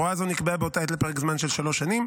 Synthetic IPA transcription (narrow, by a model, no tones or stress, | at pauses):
oazonikbeabeotaetlepeʁekzmanʃe̞lʃalo̞ʃːanim